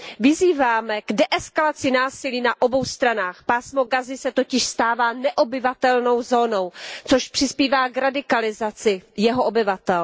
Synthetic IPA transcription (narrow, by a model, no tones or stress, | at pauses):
vɪziːvaːmɛɡdɛʔɛskalat͡sɪnaːsɪliːnaʔo̞bo̞wst̪ɾanaːxpaːsmo̞ɡazɪsɛt̪o̞cɪʃst̪aːvaːnɛʔobɪvat̪ɛlno̞wzo̞ːno̞wt͡soʃpr̝̥ɪspiːvaːɡɾadɪkalɪzat͡sɪjɛɦoʔobɪvat̪ɛl